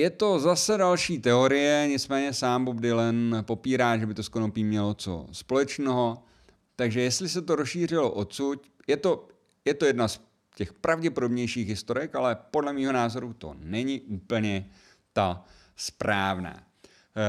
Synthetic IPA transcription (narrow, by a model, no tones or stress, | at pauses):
jɛt̪o̞zasɛdalʃiːt̪ɛo̞ɾɪjɛɲɪt͡smɛːɲɛsaːmbobdɪlɛnpo̞piːɾaːʒɛbɪt̪o̞skonopiːmɲɛlot͡so̰spo̞lɛt͡ʃnɛɦo̞ | t̪aɡʒɛjɛst̪lɪs̬ɛt̪oɾosʃiːr̝ɪlo̰ʔot̪sucjɛt̪o̞ | jɛt̪o̞jɛdnas | cɛxpɾavɟɛpo̞do̞bɲɛjʃiːɣɦɪst̪o̞ɾɪkalɛpo̞dlɛmiːɦo̞naːzo̞ɾut̪o̞̰nɛɲɪʔuːpl̩ɲɛ | t̪a | spɾaːvna̰ː